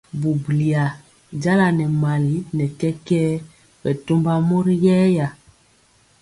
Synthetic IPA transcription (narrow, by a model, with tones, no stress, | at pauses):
bu˨bli˨a˨ | ɟa˦la˨nɛ˨ma˨li˨˦nɛ˨kɛ˦kɛ˦ | bɛ˨to˦mba˦mo˦ɾi˦jɛː˦ja˨